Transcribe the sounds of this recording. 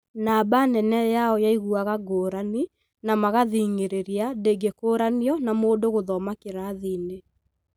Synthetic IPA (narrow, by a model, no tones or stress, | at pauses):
naːbanɛnɛjaɔjaiɣuaɣaɡoːɾani | namaɣaðiŋeɾeɾiadeɡekoːɾaniɔnamoːdoɣoðɔmakeɾaðiːne